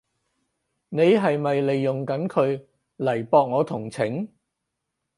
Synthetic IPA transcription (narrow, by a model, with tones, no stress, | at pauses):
ne˨˧jɦɐ˨jmɐ˨jle˨jːʊ˨ŋkɐ˨˥nkʰɵ˨˧ɥ | lɐ˨˩jpɔː˨˧k̚ŋɔː˨˧t̪ʰʊ˨˩ŋt͡sʰɪ˨˥ŋ